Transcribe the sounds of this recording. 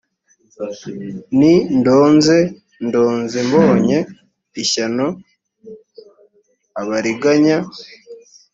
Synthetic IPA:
nindoːnze | ndo̞ːnzemboːɲe̞ | içano | aβaɾiɡaɲa

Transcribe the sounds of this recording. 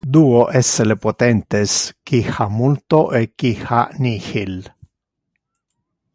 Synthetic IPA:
d̪uoʔeselepot̪ent̪eskixamult̪oʔekixa̰nixil

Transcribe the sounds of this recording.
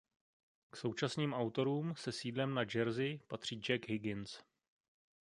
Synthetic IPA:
kso̞wt͡ʃasniːmʔawt̪o̞ɾuːmsɛsiːdlɛmnad͡ʒɛɾzɪpat̪r̝̥iːd͡ʒɛɡɦɪɡɪns

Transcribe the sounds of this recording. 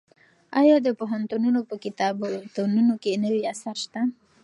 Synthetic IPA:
ɑjɑd̪əpoɦant̪ununopəkɪt̪ɑbot̪onunokenəwiasaɾʃt̪a

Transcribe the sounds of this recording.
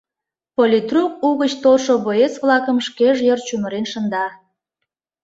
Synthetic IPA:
polʲit̪ruk̚uɣət͡ɕt̪olʃoβoesβlɑkəmʃkeʒjərt͡ɕuməɾenʃənd̪ɑ

